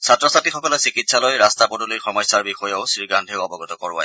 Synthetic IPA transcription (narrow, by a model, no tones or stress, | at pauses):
satɹɔsatixɔkɔlɔsikitsalɔjɹastapodulixɔmɔjsaɹbixɔjeʊsɹiɡandʱeʊɔbɔɡɔt̪ɔkɔɹʊa̰j